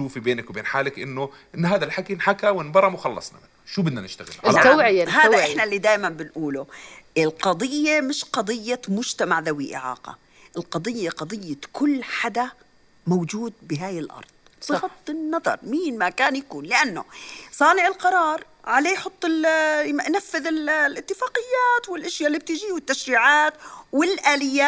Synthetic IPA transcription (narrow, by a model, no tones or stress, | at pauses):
uːfibeːnakwbeːnħaːlakʔɪnːʊ | ʔɪnːɦaːd̪alħakinħakawɪnbɑɾˤɑmwxɑlːɑ̰sˤnɑ̰mɪnːʊʃuːbɪd̪nanɪʃt̪aɣɪllːaʕɦaːaʔɪħnalːid̪aːjmambɪnʔuːlʊɪlqɑd̪ˤɨjːemɪʃqɑd̪ˤɨjːamʊd͡ʒt̪amaʕðawiʔɪ̰ʕɑ̰ːqɑ̰ | ʔɪlqɑd̪ˤɨjːaqɑd̪ˤɨjːakʊlːħad̪a | mowd͡ʒuːd̪̚bɪɦaːjɪlʔɑ̰ɾˤðˤ | bɣɑt̪ˤːɪnːɑðˤɑ̰ɾˤmiːnmakaːnjakuːnlɪʔanːo̰sˤɑːnɪʕɪlqɑɾˤɑːɾˤ | ʕaleːjħʊt̪ˤːɪlʔnafːɪðɪllʔɪt̪ːɪfaːqɪjːaːt̪wɪlʔɪʃjalːib̚t̪ɪd͡ʒiwɪt̪ːaʃɾiːʕaːt̪wɪlʔaːlɪjːa